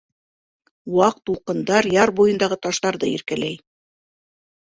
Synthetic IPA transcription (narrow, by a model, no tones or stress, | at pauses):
wɑq̚t̪ːulˠqɤ̆nd̪ɑɾjɑɾbujɤ̆nd̪ɑʁɤt̪ɑʃt̪ɑɾðɤḭɾkælæj